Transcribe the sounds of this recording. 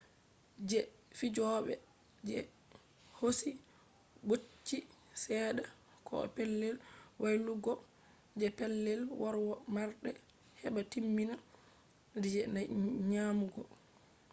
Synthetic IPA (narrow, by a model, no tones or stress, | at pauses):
d͡ʒɛ | fid͡ʒɔɓɛ̰ | d͡ʒɛ̰ | hosi | bot͡ʃːi | sɛːɗa | kʰɔ̰ɛ̰pɛlːɛlwajluɡɔ | d͡ʒɛpɛlːɛlwaɾwɔmaɾɗɛ | hɛɓatimːina | did͡ʒɛnajɲaːmuɡɔ